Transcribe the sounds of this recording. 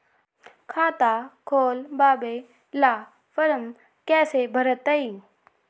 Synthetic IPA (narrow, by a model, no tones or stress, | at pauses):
kʰaːt̪aːkʰoːlbaːbeː | laː | fəɾəm | kɛːsebʱəɾət̪ːəiː